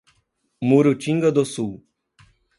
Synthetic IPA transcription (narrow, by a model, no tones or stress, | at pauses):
muɾut͡ʃiŋɡəd̪osuw